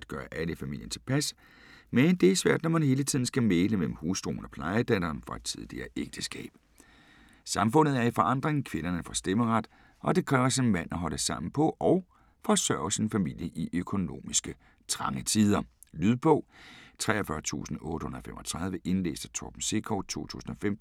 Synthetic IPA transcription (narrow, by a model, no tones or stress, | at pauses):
d̥ɡ̥ɶːɐʔæləfæmḭl̰jənt͡sʰe̝lpʰæs | mend̥e̝æsʋæɐ̰d̥nɒmænhɦe̝ːlət͡sʰið̞̰ˠn̩sɡ̥æmeːləmel̰m̩huːsd̥ʁo̰ːnɒ̽pʰlɑ̈ɪəd̥æd̥ɐːnfɒ̽æd̥̚t͡sʰiðˠliɐːʔeɡ̥̚d̥əsɡ̥ɛ̰ːb̥ | sɑ̈mfɔ̽n̰ð̩ˠæɐifɒ̽ɑ̈n̰d̥ʁeŋkʰʋe̝nɐnəfɒ̽sd̥eməʁɑd̥ | ʔɒ̽d̥e̝kʰʁɛːʊɐsinmæn̰ɒɦɒ̽l̰əsɑ̈m̰n̩pʰɒ̽ʔɒʊ | fɒ̽sɶɐʊsinfæmil̰jəʔiʔøkʰo̝no̝̰ːmisɡ̥ə | t͡sʰʁɑ̈ŋət͡sʰiːð̞ˠɐ | lyð̞ˠb̥ʰɔ̽ːt͡sʰʁɛ̰ːɐfɶɐt͡sʰṵːsn̩ɔ̽ːd̥ə̥hunɐðˠfemɒt͡sʰʁɑ̈ð̞ˠʋəʔe̝nlḛːsd̥ət͡sʰɒ̰b̥m̩se̝kʰɒʊt͡sʰo̝̰ːt͡sʰṵːsn̩ɒ̽fem̰